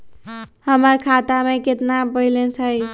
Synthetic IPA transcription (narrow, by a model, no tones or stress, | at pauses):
həməɾkʰat̪ameket̪nabəilet͡ʃʰəj